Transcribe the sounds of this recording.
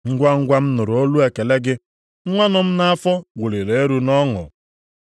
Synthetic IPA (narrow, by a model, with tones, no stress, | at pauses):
ŋ̩˦ɡʷa˦ŋ̩˦ɡʷa˦m̩˦nʊ˨ɾo˦lu˦e˨ke˨le˦ɡɪ˦ | ŋ̩˦ŋʷa˦nʊ˨m̩˦na˦a˦fɔ˦ɡʷu˨li˨le˨e˦ɾu˦nɔ˦ŋʊ̰˨